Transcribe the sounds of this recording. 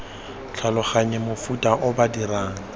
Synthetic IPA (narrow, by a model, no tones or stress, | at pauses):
t͡ɬʰalʊχaɲɛmʊfutʼaʔʊbadiraːŋ̩